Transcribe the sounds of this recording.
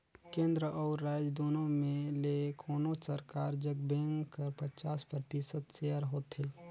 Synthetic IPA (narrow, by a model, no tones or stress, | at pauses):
kẽːnd̪ɾəʔɔːɾːaːd͡ʒd̪oːnõmẽlekʰoːnõsɐɾkaːɾd͡ʒəɡ̚bẽːŋkɐɾpɐt͡ʃaːspɾət̪isət̪seːəɾɦoːt̪ɦeː